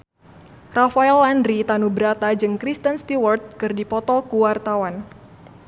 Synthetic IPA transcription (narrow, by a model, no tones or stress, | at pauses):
rafaɛlandɾit̪anubəɾat̪ad͡ʒɨŋkɾist̪ənst̪iwɔrt̪̚kɨrdipɔt̪ɔkuwart̪awan